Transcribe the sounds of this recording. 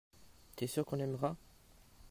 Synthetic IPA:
t̪yɛsyʁkɔ̃nɛmʁa

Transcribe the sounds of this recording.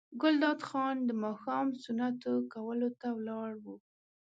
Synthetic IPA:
ɡʊld̪ɑd̪xɑnd̪əmɑxɑmsʊnat̪okawəlot̪awlɑɽwu

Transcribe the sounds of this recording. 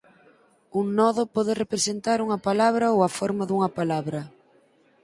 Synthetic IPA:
uŋnɔðʊpɔðɪrepɾesent̪aɾuŋɐpalaβɾɐowɐfɔɾmɐðuŋɐpalaβɾɐ

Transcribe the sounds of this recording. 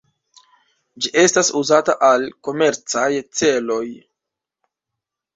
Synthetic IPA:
d͡ʒiʔe̞stasuzataʔalko̞me̞ɾt͡sajt͡se̞lo̞j

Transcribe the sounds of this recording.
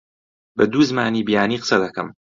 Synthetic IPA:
bɐd̪uːzɨmaːniːbijaːniːqsɐd̪ɐkɐm

